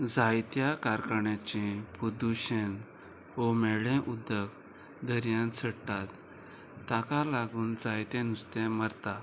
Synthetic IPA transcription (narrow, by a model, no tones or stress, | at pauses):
d͡zajt̪jakaɾkəɳjãt͡ɕĩpud̪uɕen | homɛɭɛ̃ʔud̪ək | d̪əɾjãnsʰəɽt̪at̪ː | akalaɡuːnd͡zajt̪ɛ̃nust̪ɛ̃məɾt̪a